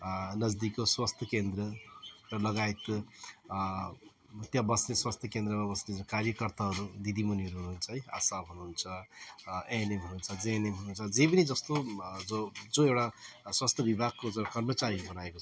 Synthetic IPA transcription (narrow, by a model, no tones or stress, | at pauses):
nʌd͡zd̪ikoswast̪ʰjʌkend̪rʌrʌlʌɡaet̪ | t̪jãbʌsneswast̪ʰjʌkend̪rʌmabʌsned͡zokaɾjʌkʌrt̪aɦʌɾud̪id̪imuniɦʌɾuɦunuːnt͡sʰʌɦʌja̰saɦunuunt͡sʰʌ | enemɦununt͡sʰʌd͡zenemɦununt͡sʰʌd͡zep̬ʌnid͡zʌst̪od͡zod͡zoewɽaswast̪ʰjʌbibʱaɡ̚kod͡zʌkʌrmʌt͡saɾibʌnaekot͡sʰʌ